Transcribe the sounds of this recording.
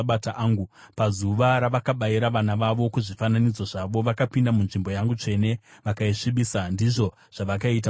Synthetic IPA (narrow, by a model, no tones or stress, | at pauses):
ɓataʔaːŋɡu | pazuʋaɾaʋakaɓajiɾaʋanaʋaʋo̞kuʐifananid͡zoʐaʋo̞ʋakapindamunʐimbo̞jaŋɡut͡ʂe̞ne̞ʋakaiʂiɓisandiʐo̞ | ʐ̥aʋakait̬a